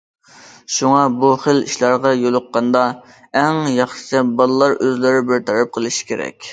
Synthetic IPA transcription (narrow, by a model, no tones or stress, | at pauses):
ʃuŋɑbuχəlḭʃlˠɑɾʁɑjolˠʊqːɑnd̪ɑ | ɛŋjɑχʃɪ̥t͡ʃ̪ʰɛbɑlˠɨlːˠɑɾøzlɪɾɪbɪɾt̪ʰɑɾɑp̚qʰəlˠɨʃi̥kʲʰeɾɛ̰kʲ